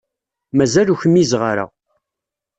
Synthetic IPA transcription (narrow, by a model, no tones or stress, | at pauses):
mæzæluçəmːizʁəɾa̰